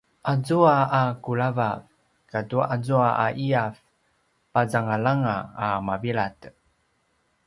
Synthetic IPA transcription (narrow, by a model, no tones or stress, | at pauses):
ʔazuaakuɭavav | katuazuaʔaʔiaf | pazaŋalaŋaːmaviɭat